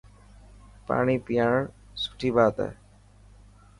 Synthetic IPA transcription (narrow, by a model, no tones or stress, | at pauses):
pa̰ːɳ̃iːpɪjaːɳ | sʊ̥ʈʰiːbaːt̪ɛ̰ː